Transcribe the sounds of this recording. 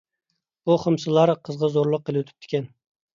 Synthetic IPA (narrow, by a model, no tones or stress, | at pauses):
buχəmsɨlˠɑɾqʰəzʁɑzoɾlˠʊqːelˠɪwt̪ʰy̥p̚t̪ʰɪ̥kʲɛn